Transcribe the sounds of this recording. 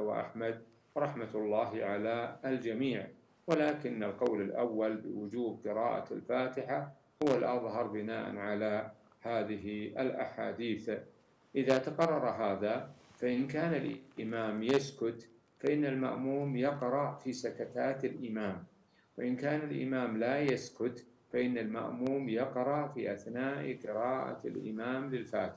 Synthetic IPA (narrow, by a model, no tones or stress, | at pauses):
wa̰ʔa̰ħmad̪̚ | ɾˤɑħmat̪lˤːɑːɦʕalaːld͡ʒamiːʕ | walaːkɪnːalqɑwlalʔawːalbɪ̰wʊd͡ʒuːb̚qɨɾɑ̰ːʔa̰lfaːt̪ɪħa | hʊwalʔɑðˤhɑɾˤbɪnaːʔa̰nʕala | haːðɪɦalʔa̰ħa̰ːd̪iːθ | ʔɪðaːt̪aqɑrˤːɑɾˤɑɦaːðafaʔɪnkaːnalʔʔɪmaːmjaskʊt̪ | faʔɪnːalma̰ʔmuːmjɑqɾˤɑʔfiːsakat̪aːt̪alʔɪmaːm | waʔɪnkaːnalʔɪ̰maːmlajaskʊt̪faʔɪnːalma̰ʔmuːmjɑqɾˤɑʔfiːʔaθnaːʔqɨɾɑːʔa̰a̰lʔɪ̰maːmlɪlfaːt̪ɪ̥ħa